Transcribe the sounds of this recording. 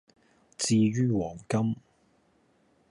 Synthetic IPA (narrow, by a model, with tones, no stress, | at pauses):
t͡siː˧ɥyː˥wɔː˨˩ŋkɐ˥m